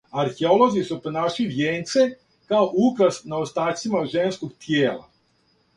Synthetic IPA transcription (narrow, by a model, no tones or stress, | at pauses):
aɾxeolˠo̞zisuponaʃiʋjeːnt̪se | kaoʔupɾasnaost̪aːsimaʒenskoɡt̪ʰjeːla̰